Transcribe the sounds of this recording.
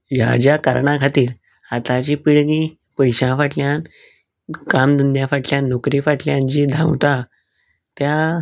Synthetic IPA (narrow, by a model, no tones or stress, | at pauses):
ja̰d͡ʑjakə̰ɾɳakʰat̪iːɾ | at̪at͡ɕiːpiɭɡĩː | pəjɕãfaʈljãn | kamd̪ənjafaʈljãnːokɾifaʈljãɲt͡ɕid̪ʱã̰wt̪a | t̪ja